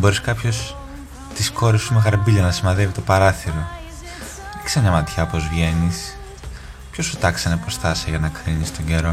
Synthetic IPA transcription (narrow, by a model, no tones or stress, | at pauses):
boɾiskɐpço̞s | t̪isko̞ɾifsumexɐɾbiʎɐnɐsimɐðevit̪opɐɾɐθiɾo̞ | eçʲi̥semɲɐmɐt̪çɐpo̞zvʝe̞nis | pço̞sut̪ɐksenɐipost̪ɐsiɐʝɐnɐkɾinist̪o̞ɲɟe̞ɾo̞